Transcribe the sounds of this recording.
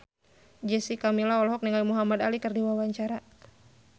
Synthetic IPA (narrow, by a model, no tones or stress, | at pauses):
d͡ʒɛsikamilaɔlɔɦɔk̚niŋajmuɦamad̪alikərdiwawaɲt͡ʃaɾa